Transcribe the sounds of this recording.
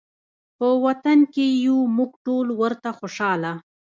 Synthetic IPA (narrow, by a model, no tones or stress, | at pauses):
pəwat̪ankejumuɡʈolwəɾt̪axoʃɑla